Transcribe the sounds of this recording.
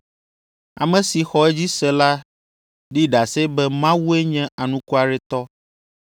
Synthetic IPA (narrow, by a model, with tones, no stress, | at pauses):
a̰˨mɛ̃˨si˨xɔ˨ɛ˦d͡ʑi˦sɛ˨la˦ | ɖi˦ɖa˨sɛ˦bɛ˦mã˦wu˦e˦ɲɛ̃˦a˨nũ˦ku˦a˨ɖɛ˦t̪ɔ˦